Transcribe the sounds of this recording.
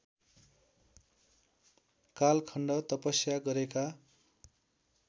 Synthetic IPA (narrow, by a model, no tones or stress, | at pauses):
kalkʰʌɳɖʌt̪ʌpʌsjaɡʌɾeka